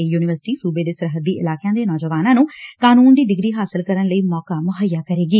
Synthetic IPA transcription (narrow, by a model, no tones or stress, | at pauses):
juːnɪʋəɾsɪ̥ʈiːsuːbeːd̪eːsəɾɦəd̪ːiːʔɪlaːkjãːd̪eːnɔːd͡ʒəʋaːnãːnũːkaːnuːnd̪iːɖɪɡɾiːɦaːsɪlkəɾənləiːmɔːkaːmʊɦəjːaːkəɾeːɡiː